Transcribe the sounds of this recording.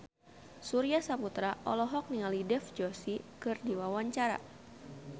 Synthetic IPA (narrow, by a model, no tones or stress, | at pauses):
suɾiasaput̪ɾaʔɔlɔɦɔk̚niŋalidɛfd͡ʒɔsikɨrdiwawaɲt͡ʃaɾa̰